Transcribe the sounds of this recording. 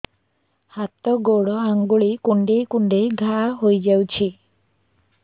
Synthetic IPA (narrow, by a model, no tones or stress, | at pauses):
hat̪ɔɡoɽɔaŋɡuɭikuɳɖejkuɳɖejɡʱaɦojd͡ʒawt͡ʃʰi